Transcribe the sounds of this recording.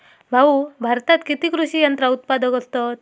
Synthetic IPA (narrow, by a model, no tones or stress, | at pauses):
bʱaubʱaɾt̪at̪kit̪ikɾuɕijənt̪ɾaut̪̚pad̪əkəst̪ɔt̪̚